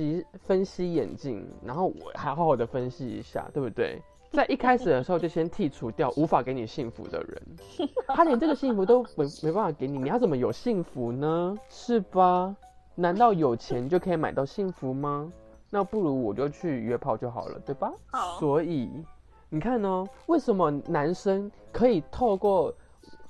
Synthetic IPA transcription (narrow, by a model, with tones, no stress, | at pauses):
i˧˥fə˦nɕi˥jɛ̰˨˩nt͡ɕḭ˥˩ŋɻa̰˧˥nxo˥˩ʊwɔ̰˨˩xjxɑ˨˩d̪ə˦fə˦nɕi˥ḭ˧˥ɕja̰˥˩t̪we˥˩ɪbu˧˩t̪we˥˩ɪ | t͡sa˥˧ɪʔi˥˩kʰa˥ɪʂɻ̩˨˩d̪ə˩ʂɻ̩˧˥˧t͡ɕo˥˩ɕjɛ˥nt̪ʰi˥˩ʈ͡ʂʰu˧˥t̪jɑ˥˩ʊʔu˧˥fa˨˩ke˧˥ɪni˨˩ɕi˥˩ŋfṵ˧˦d̪ə̰˧ɻə̰˧˦n | t̪ʰa˥njɛ˧˥nʈ͡ʂɤ˥˩ɡə˨˩ɕi˥˩ŋfu˧˥t̪o˥ʊme˧˥me˧˥ɪpa˥˩fa˧˩ke˧˥ɪn˨˩n˨˩jʊt͡smə˦jo˨˩ʊɕi˥˩ŋfu˧˦nə˧ʂɻ̩˥˩bɐ˨˩ | na˧˥nt̪ɑ˥˩ʊjo˨˩ʊt͡ɕʰjɛ˧˥nt͡ɕjo˥˩ʊkʰɤ˧˥i˧˥ma˨ɪt̪ɑ˥˧ʊɕi˥˩ŋfu˧˦mɐ˧ | na˥˧pu˥˩ɻu˧˥wɔ˨˩t͡ɕo˥˧˥o˥˧ʊt͡ɕʰy˥˩ɥɛ˥pʰɑ˥˧ʊt͡ɕjo˥˩ʊxɑ̰˨˩ʊlə̰˦t̪we˥˩ɪbɐ˩swɔ˧˦˥i˨˩ | ni˨˩kʰa˥˩nɔ˧˩we˥˩ɪʂə˨˦nmə˧na˧˥nʂə˥ŋkʰɤ˧˥i˨˩t̪ʰo˥˧ʊkwɔ˥˩